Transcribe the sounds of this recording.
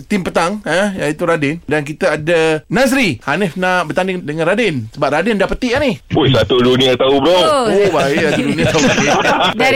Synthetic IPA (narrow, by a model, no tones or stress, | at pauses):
t̪impət̪aŋəjait̪uɾadɪndank̬it̪aadanas̬ɾihanɪfnaʔbərt̪andɪŋdəŋãnradɪnsəbap̚radɪndapət̪iʔanɪhpuisat̪udunĩat̪aubɾoobaisaudunĩat̪au | da